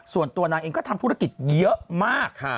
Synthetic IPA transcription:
su˨˩ənt̪u˧ɐnaː˧ŋʔeː˧ŋkɔː˥˩t̪ʰa˧mt̪ʰɾa˥˩ki˨˩t̪̚jɤ˦˥ʔmaː˥˩kʰːa˥˩

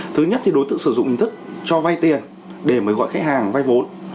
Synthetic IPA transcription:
t̪ʰɨ˨˦ɲə˦˥t̚t̪ʰi˨˩ɗo˨˦t̪ɨ̰˧˨ŋsɨ˧˩zʊ̰˧˨ŋ͡mhï˧ŋt̪ɨ˦˥k̚t͡ɕɔ˧va˧jt̪i˨˩ən | ɗe˧˩məː˨˦jɣɔ̰˧˨jxa˦˥k̚haː˨˩ŋva˧jvo˨˦n

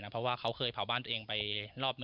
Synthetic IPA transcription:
na˦˥pʰɾɔ˦˥waː˥˩kʰa˦˥wkʰɤː˧jpʰa˩˦baː˥˩nt̪ːʔeː˧ŋpa˧jɾɔː˥˩p̚nɯ˧

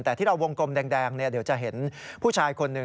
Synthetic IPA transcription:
t̪ɛː˨˩t̪ʰiː˥˩ɾa˧wːo˧ŋko˧mdɛː˧ŋdɛː˧ŋni˥˩ɐdi˩˦wt͡ɕa˨˩ɦe˩˦npʰuː˥˩t͡ɕʰaː˧jkʰo˧nːɯ˨˩

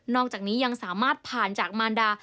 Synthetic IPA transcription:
nɔː˥˩k̚t͡ɕaː˨˩niː˦˥ja˧ŋsaː˨˩˦maː˥˩t̪̚pʰaː˨˩nt͡ɕaː˨˩k̚maː˧ndaː˧

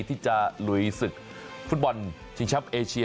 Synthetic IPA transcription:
t̪ʰiː˥˩t͡ɕa˨˩lu˨˩˦jsɯ˨˩k̚ | fu˦˥t̪̚bɔ˧n | t͡ɕʰi˧ŋt͡ɕʰa˦˥p̚ʔeː˧t͡ɕʰi˧

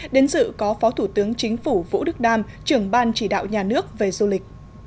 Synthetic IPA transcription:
ɗe˨˦nzɨ̰˧˨kɔ˨˦fɔ˨˦t̪ʰu˧˩t̪ɨ˨˦əŋt͡ɕï˨˦ŋ̟fu˧˩vṵ˧˥ɗɨ˦˥k̚ɗaː˧m | t͡ɕɨ˧˩əŋɓaː˧nt͡ɕi˧˩ɗa̰ː˧˨wɲaː˨˩nɨ˦˥ək̚ve˨˩zu˧lï˨˩k̟̚

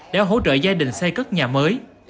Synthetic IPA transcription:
ɗa̰ː˧˥ɦo̰˧˥t͡ɕə̰ː˧˨zaː˧ɗï˨˩ŋ̟sɛ˧kə˦˥t̚ɲaː˨˩məː˨˦j

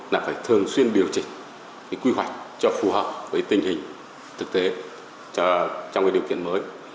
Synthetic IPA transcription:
laː˨˩faː˧˩jt̪ʰɨ˨˩əŋswi˧ənɗi˨˩əwt͡ɕï˨˩ŋ̟ | ka˨˦kwi˧ɦwa˨˩jk̟̚t͡ɕɔ˧fu˨˩həː˨˩p̚vəː˨˦jt̪ï˨˩ŋ̟hï˨˩ŋ̟ | t̪ʰɨ˨˩k̚t̪e˨˦˧ | t͡ɕɔ˧wŋ͡mkaː˨˦˥ɗi˨əwkḭ˧˨ənməː˨˦j

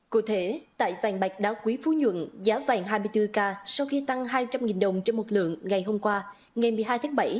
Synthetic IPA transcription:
ku˧˩t̪ʰe˧˩t̪a̰ː˧˨jva̰˨˩ŋɓa˨˩jk̟̚ɗaː˧˥kwi˨˦fu˨˦ɲwə̰˧˨nzaː˨˦va̰ː˧˩ŋɦaː˧jmɨ˧əjt̪ɨ˧kaː˧sa˧wxi˧t̪a˧ŋɦaː˧jt͡ɕa˧mŋi˨˩nɗə˨˩wŋ͡mt͡ɕe˧nmo˨˩t̚lɨ̰˧˨əŋːa˨˩jhɦo˧mkwaː˧ | ŋa˨˩jmɨ˨˩əjɦaː˧jt̪ʰaː˨˦ɓa˧˩j

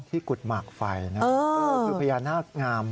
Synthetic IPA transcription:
ŋt̪ʰiː˥˩ku˨˩t̪̚maː˨˩k̚fa˧jna˦˥ɤː˥˧˦a˥˩ɯ˧pʰa˧jaː˧nːaː˥˩ŋaː˧m

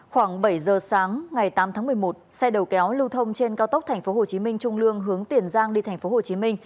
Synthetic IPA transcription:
xwaː˧˩ŋɓə˧˩jzəː˨˩saː˨˦ŋŋa˨˩jt̪aː˨˦mt̪ʰaː˨˦ŋmɨ˨˩əjmo˨˩t̚sa˧jɗə˨˩wkɛ˨˦wlɨ˧wt̪ʰə˧wŋ͡mt͡ɕe˧nkaː˧wt̪ə˦˥k͡p̚t̪ʰa˨˩ŋ̟fo˨˦ɦo˨˩t͡ɕi˨˦mï˧ŋ̟t͡ɕʊ˧ŋ͡mlɨ˧əŋɦɨ˨˦əŋt̪i˨˩ənzaː˧ŋɗi˧t̪ʰɛ˨˩ŋ̟fo˨˦ho˨˩t͡ɕi˨˦mï˧ŋ̟

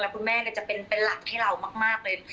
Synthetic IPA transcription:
lɛ˦˥kʰu˧nmɛː˥˩kɔː˥˩t͡ɕa˨˩pe˧npe˧nla˨˩k̚hʰaː˥˩ɾa˧wmaː˥˩k̚maː˥˩k̚lɤː˧j

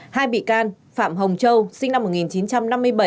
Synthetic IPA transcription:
haː˧jɓḭ˧˨kaː˧n | fa̰ː˧˨mɦə˨˩wŋ͡mt͡ɕə˧wsï˧ŋna˧mːo˨˩t̚ŋi˨˩nt͡ɕi˨˦nt͡ɕa˧mna˧mːɨ˧əjɓə˧˩j

